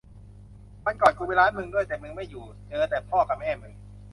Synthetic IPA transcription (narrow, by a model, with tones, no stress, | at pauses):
ma˧nkɔː˨˩nkʰuː˨˧˩pe˧ɾaː˦˥nmɯ˧ŋdɯ˥˩əjt̪e˨˩mɯ˧ma˥˩juː˨˩ | t͡ɕɤː˧t̪ɛː˨˩pʰɔː˥˩ka˧˩mɛː˥˩mɯ˧ŋ